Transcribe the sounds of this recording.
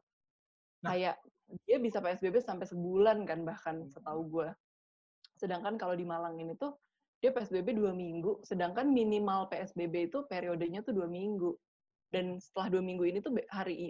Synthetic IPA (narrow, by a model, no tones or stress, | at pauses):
kajaʔ | diabisapeɛsbebesampajsəbulankanbahkansət̪auɡua | sədaŋkankalodimalaŋinit̪ʊ | d̥iapeɛsbebeduamiŋɡusədaŋkanminimalpeɛsbebeit̪upeɾiodəɲat̪uduamiŋɡu | dansə̥t̪əlahduamiŋɡuinit̪ubhaɾiʔ